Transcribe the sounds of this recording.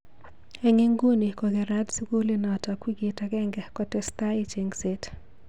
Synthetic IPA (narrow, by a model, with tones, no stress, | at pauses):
e˨ŋe˦ŋɡu˦ni˨kɔ˨ɡɛ˨ɾa˦dsi˦ɡu˦li˦nɔ˨ta˨kwi˦ɡi˨taɡɛ˦ŋɡɛ˨kɔtɛst̪a˦i˦t͡ʃe˨ŋse˦t